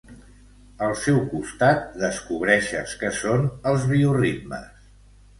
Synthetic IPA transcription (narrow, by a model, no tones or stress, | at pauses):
əlˠsɛwkust̪at̪̚d̪əskuβɾɛʃə̰skəsonəlˠzβiurit̪mə̰s